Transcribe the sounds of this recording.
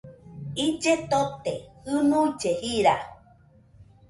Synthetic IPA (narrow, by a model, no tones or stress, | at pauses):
id͡ʒet̪ot̪ehɨnuid͡ʒehiɾa